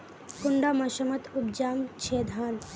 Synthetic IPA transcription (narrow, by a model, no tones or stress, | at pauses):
kuɳɖamɐʃɐmɐt̪ub̚d͡ʒaːmt͡ʃʰeːd̪ʱaːn